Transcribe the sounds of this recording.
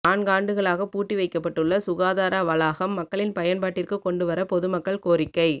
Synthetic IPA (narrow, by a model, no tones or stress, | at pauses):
aːɳɡaːɳɖɯɣɐɭaːɣɐpuːʈːiʋɐɪkːɐpːɐʈːɯɭːɐsʊɣaːðaːɾaʋɐlaːɣɐmːɐkːɐɭɪnpɐjɐnpaːʈːɪrkɯkɔɳɖɯʋɐɾɐpɔðɯmɐkːɐɭkoːɾɪkːɐɪ